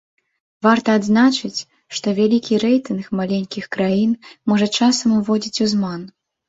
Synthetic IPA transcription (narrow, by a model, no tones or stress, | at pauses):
vart̪ɐːd̪znat͡ʂɨt͡sʲ | ʂt̪ɔvʲalʲikʲiɾɛjt̪ɨnxmalʲenʲkʲixkɾajinmɔʐɐt͡ʂasɐmuvɔd͡zʲit͡sʲuzman